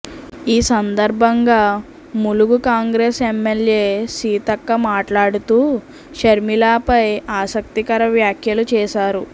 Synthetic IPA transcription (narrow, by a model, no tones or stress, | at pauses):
iːsɐnd̪ɐɾbʱɐŋɡaː | muluɡukaːŋɡɾeːsemːeljeːsiːt̪ɐkːɐmaːʈlaːɽut̪uː | ʃɐɾmilaːpɐjaːsɐk̚t̪ikɐɾɐʋjaːkʰjɐlut͡ʃɛːʃaːɾu